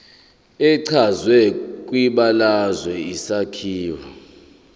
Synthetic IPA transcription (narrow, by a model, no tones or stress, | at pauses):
ɛǀʰazwɛkʼwiɓalazwɛisakʰiːwa̰